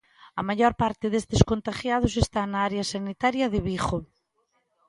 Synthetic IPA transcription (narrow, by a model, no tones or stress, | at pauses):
ɐmaʎɔɾpaɾt̪ɪðest̪eskont̪aʃjað̞ʊs̬est̪anaaɾeɐsanit̪aɾjɐðɪβixo